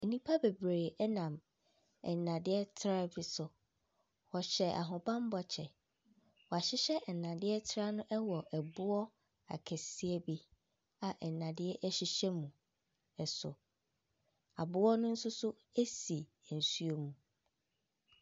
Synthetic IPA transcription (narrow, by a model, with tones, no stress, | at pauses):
e˨nĩ˦pʰa˦be˨bɾe˨ɛ˦nã˨m | ɛ̰˨nã˨dɪ˦ɛ˦tʰɾa˦bi˦sʊ˨ | wɔ˨ɕɛ˨ʔa̰˨ɦʊ̃˨bã˦m˦bɔ˨t͡ɕʰɛ˨ | wɔ˨a˨ɕɪ˦ɕɛ˦ʔɛ˨nːã˨dɪ˦ɛ˦tʰɾa˦nʊ̃˦ʔɛ˦wɔ˨ʔɛ˨bʊ˦ɔ˦ | a̰˨kʰɛ˨si˦ɛ˦bi˦ | a˨ʔɛ˨nã˨dɪ˦ɛ˦ʔɛ˦ɕɪ˦ɕɛ˦mũ˨ | ɛ˨sʊ̰˨ | a˨bʊ˦wɔ˦nʊ̃˦n̩˦sʊ˦sʊ˦ | e˦si˨ | n̩˨su˦o˦mũ˨